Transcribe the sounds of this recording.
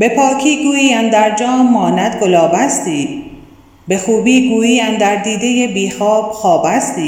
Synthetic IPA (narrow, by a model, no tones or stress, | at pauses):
be̞pʰɒːkʰiːɡuːjiːænd̪æɾd͡ʒɒːmːɒːnæd̪ɡolɒːbæst̪iː | be̞xuːbiːɡuːjiːænd̪æɾd̪iːd̪ejebiːxɒːb̥xɒːbæst̪iː